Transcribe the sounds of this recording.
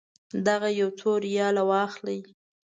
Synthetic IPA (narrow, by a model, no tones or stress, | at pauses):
d̪aɣajawt͡soɾjɑlawɑxlaj